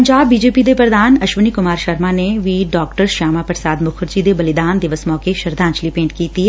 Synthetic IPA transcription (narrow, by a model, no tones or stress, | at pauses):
ɐɲd͡ʒaːbːiːd͡ʒeːpid̪epɾəd̪aːnɐʃʋənikʊmaːɾʃɐɾmaneʋiːɖɔːkʈəɾʃaːmapəɾsaːd̪mʊkʰɾd͡ʒid̪ebɐlɪd̪aːnd̪ɪʋəsmɔːkeʃɐɾd̪ʱãːnt͡ʃlipẽːɳʈkiːt̪i